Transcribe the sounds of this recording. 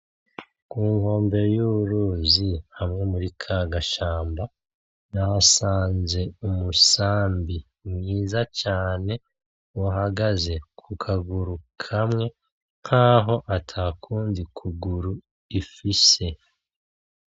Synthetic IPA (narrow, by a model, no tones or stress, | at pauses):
kuːŋho̞ːmbe̞ɾojuβuɾuzihamŋe̞muɾikʰaɡaʃaːmba | nasaːnze̞umusaːmbi | mŋiːzacaːne̞ | uɦaɡaze̞kʰukʰaɡuɾukʰamŋe̞ | n̥haːɦo̞ʔatʰakʰuːndikʰuɡuɾu | ifise̞